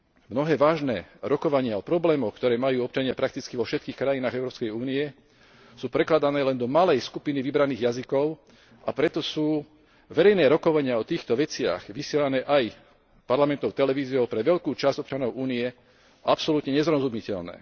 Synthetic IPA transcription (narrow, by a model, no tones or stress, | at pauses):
mnɔɦɛːʋaːʒnɛːɾɔkɔʋaɲɪaɔpɾɔblɛːmɔxkt̪ɔɾɛːmajuːɔp̚t͡ʃaɲɪapɾak̚t̪it͡skiʋɔfʃɛt̪̚kiːxkɾajinaːɣɛʊɾɔːpskɛjuːniɛ | suːpɾɛklad̪anɛːlɛnd̪ɔmalɛjskupiniʋibɾaniːɣjazikɔʊ | apɾɛt̪ɔsuː | ʋɛɾɛjnɛːɾɔkɔʋaɲɪaɔt̪iːxt̪ɔʋɛt͡sɪa̰xʋisɪɛlanɛːʔaj | paɾlamɛnt̪ɔʊt̪ɛlɛʋiːzijɔʊpɾɛʋɛʎkuːt͡ʃazɟɔpt͡ʃanɔʊʔuːniɛ | ʔapsɔlut̪ɲɛɲɛzɾɔzumɲicɛʎnɛ̰ː